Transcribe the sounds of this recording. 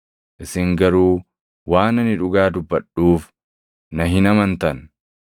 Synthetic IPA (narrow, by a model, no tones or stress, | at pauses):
ʔɪsɪŋɡɐɾuː | waːnɐnɪᶑʊɡaːd̪ʊbːɐᶑuːf | nɐɦɪnɐmɐnt̪ɐn